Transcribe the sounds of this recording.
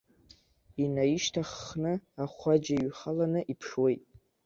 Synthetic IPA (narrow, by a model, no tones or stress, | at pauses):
inaiʃtʰaχːnɨaχʷad͡ʒaɥχalanɨʔipʰʂwe̞jtʼ